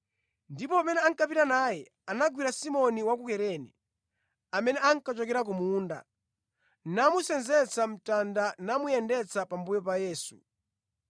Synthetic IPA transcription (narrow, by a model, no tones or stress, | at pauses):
ndipɔamɛnɛaŋkapitanaːjɛ | anaɡwiɾasimɔniwak̬ukɛɾɛːnɛ | amɛnɛaŋkat͡ʃɔkɛɾak̬umuːnda̰ | namusɛnzɛt͡sam̩tandanamujɛndɛt͡sapambujɔpajɛːsu̥̰